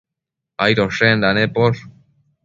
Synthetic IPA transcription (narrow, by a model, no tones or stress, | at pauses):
ajɾoʃend̪anepoʃ